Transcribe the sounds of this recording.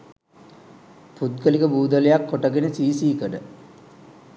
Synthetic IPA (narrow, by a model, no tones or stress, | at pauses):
put̪̚ɡəlikəbuːd̪əlejakːoʈəɡenesiːsiːkəɖə